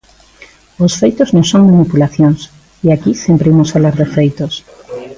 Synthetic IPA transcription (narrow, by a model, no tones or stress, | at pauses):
osfejt̪oznõŋsoŋmanipulaθjõns | iakisjempɾeimosaβlaɾðefejt̪os